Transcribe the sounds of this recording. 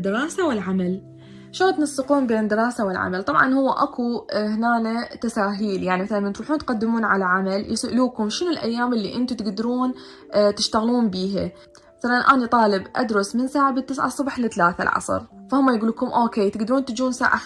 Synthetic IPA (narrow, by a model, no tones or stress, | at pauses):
d̪ːɪɾˤɑːsawɪlʕamal | ʃoɣt̪nɑsˤːɨquːnbeːnd̪ɨɾɑːsawɪlʕa̰malt̪ˤɑbʕɑ̰nhʊwːaʔa̰kʰuhnaːnat̪asaːɦiːljaʕnimaθalalmant̪ɾuːħuːnt̪qad̪ːɪmuːnʕalaʕamaljɪsʔʊluːkʊmʃɪnʊlʔa̰jːaːmʔɪlːḭʔɪnt̪ut̪ɪɡd̪ɾuːn | t̪ɪʃt̪aɣluːmbiːɦa̰ | maθalanʔa̰ːnit̪ˤɑːlɪbʔa̰d̪ɾʊsmɪnsaːʕabɪt̪ːɪsʕa̰sˤːʊbħlɪθalaːθa̰lʕɑ̰sˤɨ̰ɾfahʊmːajɡuːluːkʊmʔoːkeːt̪ɪɡd̪aɾuːnt̪ɪd͡ʒuːnsa̰ːʕa̰